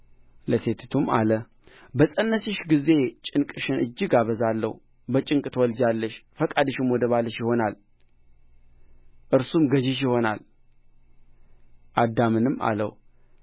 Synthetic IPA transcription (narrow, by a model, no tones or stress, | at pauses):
ləse̞t̪ʰɨt̪ʰuma̰lə | bəsʼənːəsiʃɡize̞t͡ʃʼɪnkʼɨʃɪnɨd͡ʒːɪɡaβəzalːə̰hu | bət͡ʃʼɪŋkʼt̪ʰəwɔld͡ʒalːəʃfəkʼad̪ɨʃɨmwɔd̪əβalːəʃjɪho̞nal | ʔɨɾsumɡəʒɪʃ̬jɪho̞nal | ʔad̪ːamɨnɨma̰lə̰wu